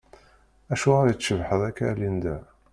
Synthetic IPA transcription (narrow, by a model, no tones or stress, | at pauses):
æʃuʁaɾjət͡sːʃəvħəðˤækːælind̪æ